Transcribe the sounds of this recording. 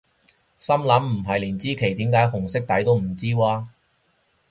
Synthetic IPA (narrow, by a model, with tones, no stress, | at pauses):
sɐ˥mlɐ˨˥mm̩˨˩ɦɐ˨jliː˨˩nt͡siː˥kʰe˨˩jt̪iː˨˥mkaː˨˥jhʊ˨˩ŋsɪ˥k̚t̪ɐ˨˥jt̪o˥wm̩˨˩t͡siː˥waː˧